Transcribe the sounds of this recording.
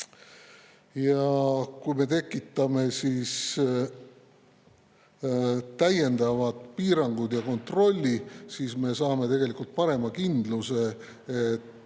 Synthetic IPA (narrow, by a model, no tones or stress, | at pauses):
jɑkujme̞t̪e̞kːˑit̪ːˑɑme̞sis | t̪æje̞nd̪̥ɑvɑt̪piːɾɑŋɡ̥ud̪jɑko̞nt̪ro̞lʲːisiːsme̞sɑːme̞t̪e̞ɡ̥elikult̪̚pɑɾe̞mɑkind̪luse̞ | et̪ː